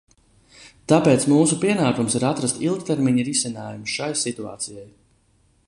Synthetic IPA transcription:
t̪apeːt̪smuːsupiɛnaːkumsiɾat̪ɾast̪ilˠk̚t̪eɾmiɲiɾisinaːjumuʃajsit̪ua̰ːt̪sijaj

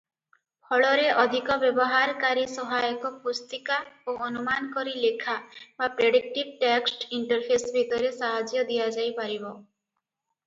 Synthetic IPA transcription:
pʰɔɭɔɾeʔɔd̪ʱikɔbjɔbɔɦaɾkaɾisɔɦajɔkɔpust̪ikaoɔnumankɔɾilekʰabapɾeɽik̚ʈib̚ʈɛksʈiɳʈɔɾpʰesbʱit̪ɔɾesaɦad͡ʒjɔd̪ijad͡ʒajpaɾibɔ

